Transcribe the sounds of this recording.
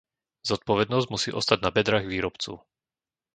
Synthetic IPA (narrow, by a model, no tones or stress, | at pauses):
z̥ɔt̪̚pɔʋɛd̪nɔzɟmusiːʔɔ̰st̪aɟ̚nabɛd̪ɾaːɣʋiːɾɔpt͡sṵʊ